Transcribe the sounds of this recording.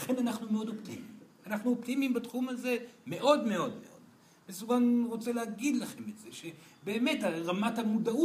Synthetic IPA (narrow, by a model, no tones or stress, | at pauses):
laχe̞nanaχnumeo̞doptimḭm | anaχnuoptimimbatχumaze̞me̞ʔo̞dme̞o̞dme̞̰ʔo̞d̥̪ | mesuɡanʁo̞t͡selehaɡid̪laχe̞metze̞ʃe̞ | be̞ːme̞taʁamathamudau